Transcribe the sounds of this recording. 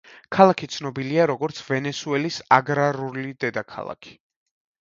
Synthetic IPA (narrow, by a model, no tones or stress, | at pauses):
kʰalˠakʰit̪sʰnɔbiliaɾɔɡɔɾt̪sʰvɛnɛsuɛlisaɡɾaɾulid̪ɛd̪akʰa̰lˠa̰kʰi̥